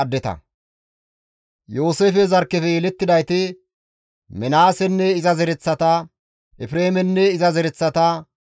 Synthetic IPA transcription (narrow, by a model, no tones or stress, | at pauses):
ɐd̪ːɛt̪ɐ̰ | jo̞ːseːfɛzɐɾkːɛfɛjɛlɛt̪ːɪd̪ɐjt̪ɪ | mɛnaːsɛnːɛɪzɐzɛɾɛt͡sːɐt̪ɐ | ɛfɪɾeːmɛnːɛɪzɐzɛɾɛt͡sːɐt̪ɐ